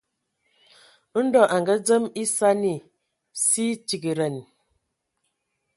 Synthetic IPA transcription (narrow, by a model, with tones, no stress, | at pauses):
n̩˦dɔ˨ʔa˨ŋɡə˦d͡zə˦mi˦sa˦ni˨ | si˦ti˨ɡi˨ɾə˨n